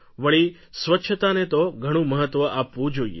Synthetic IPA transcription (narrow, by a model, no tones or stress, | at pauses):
ʋəɭi | sʋətːʃʰət̪anet̪oɡʱəɽ̃ũməɦət̪ʋəʔapʋũd͡ʒoiḛ